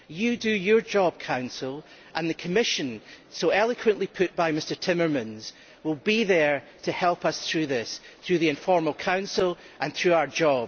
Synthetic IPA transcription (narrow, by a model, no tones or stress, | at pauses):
jədəjə˞d͡ʒɔb̚kʰãʊ̃nsəl̩ˠ | ʔə̃nðəkʰəmɪʃə̃n | soɛlˠəkʰwə̃nʔlˠipʰʉʔb̥aɪmɪstə˞tʰɪ̃mə˞mə̃nz̥ | wɪlˠbiðə˞ | tʰəhɛlˠpʌsθɹʉːðɪsθɹʉːðiɪ̃ɱfɔɹməlˠkʰãʊ̃nsəlˠ | ʔə̃nθɹʉːaʊə˞d͡ʒɔb